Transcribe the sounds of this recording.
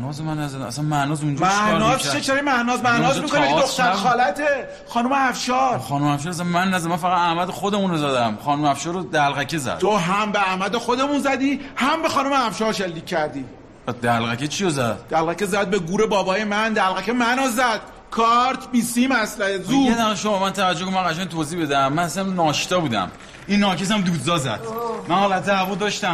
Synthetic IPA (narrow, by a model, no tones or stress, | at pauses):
nɒːzemænːæzæd̪æ̰mæ̰sænmænɒːzund͡ʒmæʔnɒːset͡ʃʰeɾimæʔnɒːzmæʔnnɒːzimikoniaid̪oxt̪ʰæɾxɒːlæt̪ʰe | xɒːnomeæfʃɒːɾxɒːnomeæfʃ̬ɔːɾæs̬ænmænːæzæd̪mænfæɣæd̪æhmæd̪exod̪emunozæd̪æmχɒːnomeæfʃɒːɾod̪ælɣækʰezæ̰d̪t̪ʰoɦæmbeæmæd̪exod̪emunzæd̪iːhæmbe̞xɒːnomeæfʃɒːɾʃelːiːcʲʰːæɾd̪iː | d̪ælʁæcʰet͡ʃʰijozæd̪̥d̪̥ælɣæcezæd̪̚be̞ɡuːɾebɒːbɒːjemænd̪ælɣæcʰemænozæd̪̥ | kʰɒɾt̪ʰbisimæslæhezuːed̪æχeʃoɔmænt̪ʰævæd͡ʒokonmænʁæʃænt̪ʰoːziːbed̪æmːænæsænnɒːʃt̪ɒːbuːd̪æ̰m | inːɒːkes̬æmd̪uːd̪zɒːzæ̰d̪̥mænhɒːlæt̪ːæævud̪ɒːʃt̪æm